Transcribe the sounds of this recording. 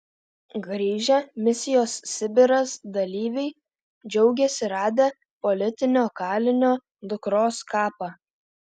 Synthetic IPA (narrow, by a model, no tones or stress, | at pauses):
ɡɾʲiːʒʲɛmʲɪsʲɪjoːssʲɪbʲɪɾɐsd̪ɐlʲiːʋʲɛɪ | d͡ʒʲɛʊɡʲɛsʲɪɾɑːd̪ʲe | pɔlʲɪt̪ʲɪnʲoːkɑːlʲɪnʲoː | d̪ʊkɾoːskɑːpɑː